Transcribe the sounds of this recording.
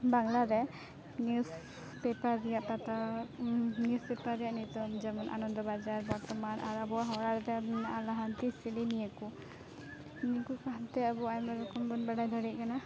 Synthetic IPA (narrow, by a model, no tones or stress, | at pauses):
baŋlaɾɛ | njus | pɛpaɾːijaʔt̪at̪a | nijuspɛpaɾːijaʔnit̪ɔmzamɔnʔa̰nɔnd̪ɔbad͡ʒaɹbɔɾt̪ɔmanʔa̰ɾabɔaɦɔɹaɾɛt̪ɛnaalaɦant̪isilinijaku | nikukaɦant̪ɛabuajmaɾɔkɔmbɔnbaɽajd̪ʱɔɽɛc̚kana